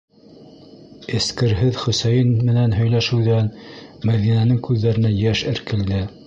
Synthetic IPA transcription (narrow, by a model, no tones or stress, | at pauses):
ɘ̆skɘ̆ɾɦɘðχɵ̆sæjɘnmɘ̆nænɦɵ̆jlæʃɘ̆wðænmæðinænɘŋkʉðːæɾɘ̆næjæʃɘ̆ɾkɘ̆ld̪ɘ